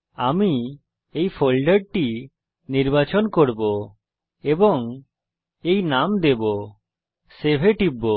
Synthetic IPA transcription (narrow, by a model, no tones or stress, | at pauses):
ami | ejpʰolɖəɖ̚ʈi | niɾbat͡ʃɔnkoɽbo | ebɔŋ | ejnamd̪ɛbo | sebʱeʈibːo